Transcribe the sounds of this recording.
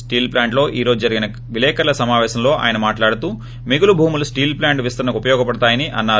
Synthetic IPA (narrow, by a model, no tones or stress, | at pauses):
sʈiːlplaːɳʈlo̞ːʔiːɾo̞ːd͡ʒud͡ʒɐɾiɡinɐ | ʋilɛːkɐɾlɐsɐmaːʋɛːʃɐmlo̞ːʔa̰ːjɐnɐmaːʈlaːɽut̪uː | miɡulubʱuːmulusʈiːlplaːɳʈʋist̪ɐɾnɐkupɐjɔːɡɐpɐɽɐt̪aːjɐniʔɐnːaː